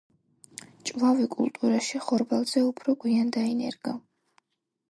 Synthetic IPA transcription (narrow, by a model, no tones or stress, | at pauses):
t͡ʃʼvavikʼṵlˠt̪ʼuɾaʃiχɔɾbalˠz̥ɛupʰɾɔɡwiand̪ainɛ̰ɾɡ̥a